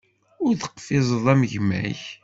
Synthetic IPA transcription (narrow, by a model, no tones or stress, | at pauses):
ʊɾθə̥qːfɪzˤəðˤæməʝmæ̰ç